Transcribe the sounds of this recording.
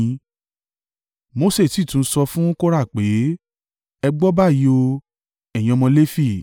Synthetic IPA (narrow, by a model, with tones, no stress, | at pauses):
mo˧˦se˦˨ti˨˦˨tũ˨˦n̩˦sɔ˧fũ˦ko˦ɾa˦˨k͡pe˨˦ | ɛ˧ɡ͡bɔ˦ba˦˨ji˨˧o˧ | ɛ˨j̃ɔ˧mɔ̃˧le˦fi˦˨